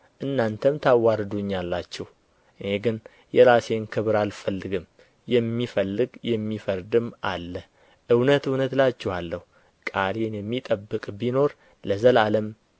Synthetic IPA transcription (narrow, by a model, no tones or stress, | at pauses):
ʔɨnːant̪ʰəmt̪ʰawaɾd̪uɲːalːat͡ʃːɛh | ʔɨheɡɨn | jɛɾase̞nkʰɨβɨɾalfəlːɨɡɨm | jɛmːifəlːɨɡjɛmːifəɾd̪ɨma̰lːə | ʔɨwnət̪ɨwnət̪lat͡ʃːɛhalːəhu | kʼalenjɛmːit̪ʼəbːɨkʼbino̞ɾ | ləzəlaləm